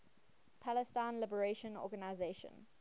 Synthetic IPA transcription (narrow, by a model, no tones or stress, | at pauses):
pʰalɛstãɪ̃nlɪbəɹeʃə̃nɔ̰ːɡanaɪzeʃə̰̃n